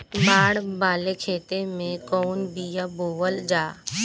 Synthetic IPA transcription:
baːɽbaːlekʰeːt̪emẽkɔːnbijaboːʋəld͡ʒaː

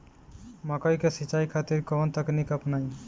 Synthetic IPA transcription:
makɔjkesit͡ʃajkʰat̪iɾkɔnt̪aknikapnaj

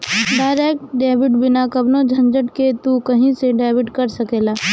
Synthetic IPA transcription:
ɖaːɪɾeːk̚ʈɖeːbɪʈbɪnakɐbnod͡ʒʱɐ̃nd͡ʒəʈket̪ukɐɦĩseɖaːɪʋɪʈkɐɾsɐkeːlaː

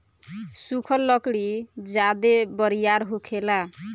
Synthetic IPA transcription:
sukʰʌlːʌkɽid͡ʒad̪ebʌɾijaɾɦokʰela

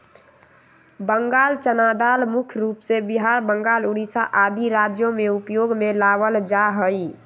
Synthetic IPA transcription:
bəŋɡaːlt͡ʃənad̪almʊkʰjɾuːpsebiɦaɾbəŋɡaːluɽisaʔad̪iɾad͡ʒjõmeupjoɡmelaʋəld͡ʒaɦəi

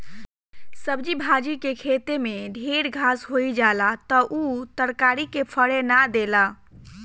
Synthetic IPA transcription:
səbd͡ʒibʱad͡ʒikekʰet̪emeɖʱeɾɡʱasɦoid͡ʒalat̪ɔʔut̪əɾkaɾikepʰəɽenad̪ela

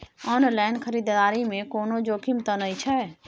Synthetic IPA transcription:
ɔnlajnkʰəɾid̪d̪aɾimekonod͡ʒokʰimt̪ənəjt͡ʃʰɛ

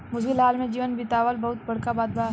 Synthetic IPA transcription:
mʊsɡɪlɦaːlmẽd͡ʒiːʋənbɪt̪aːʋəlbɐɦʊt̪̚bɐɽkabaːd̪̚ba

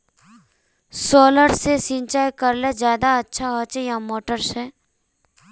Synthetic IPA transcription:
soːləɾsesĩnt͡ʃaːjkəɾlezjaːd̪aɐtːʃʰaɦət͡ʃjamoːʈəɾsɛː

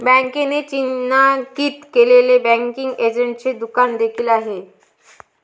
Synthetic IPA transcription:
bɛ̃ŋkenet͡ɕinːakit̪kelelebɛ̃ŋkiŋɡed͡ʑeɳʈ̚t͡ɕed̪ukand̪ekʰiːlaɦe

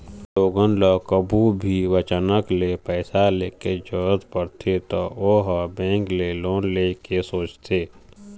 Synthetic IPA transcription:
loːɡənləkəbʱubʱiʋət͡ʃənəklepɛːsaleːked͡ʒəət̪pəɾt̪ʰet̪ooːɦəbẽːŋkleloːnleːkesoːt͡ʃt̪eː

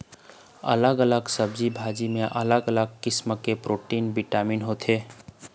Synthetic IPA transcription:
ə̰ləɡələɡsəbd͡ʒibʱaːd͡ʒimẽʔɐləɡələɡkɪsmkepɾoːʈiːnbiʈaːmiːnɦoːt̪ʰeː

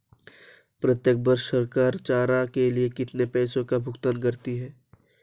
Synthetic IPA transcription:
pɾət̪jək̚bəɾʃəɾkaːɾt͡ʃaːɾakeliekɪt̪nepɛːsõkabʱʊkt̪ənkəɾt̪iɦɛː

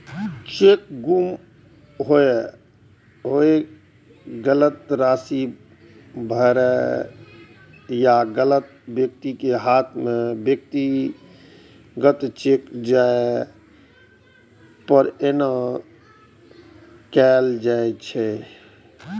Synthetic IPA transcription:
t͡ʃek̚ɡum | ɦoe | ɦoe | ɡələt̪ɾaːsi | bʱəɾɛ | jaɡələt̪̚bjək̚t̪ikeɦat̪ʰmẽbjək̚t̪i | ɡət̪t͡ʃekd͡ʒae | pəɾenə | kɛːld͡ʒaet͡ʃʰɛ

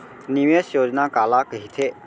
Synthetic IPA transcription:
niʋesjoːd͡ʒnaːkaːlaːkəɦit̪ʰeː

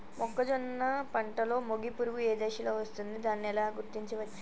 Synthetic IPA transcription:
mʔɔkːɐd͡ʒɔnːɐpɐɳʈɐlo̞ːmoɡipuɾuʋueːd̪eːʃilo̞ːʋɐst̪und̪id̪aːnːiɛlaːɡuɾt̪iɲt͡ʃiʋɐ

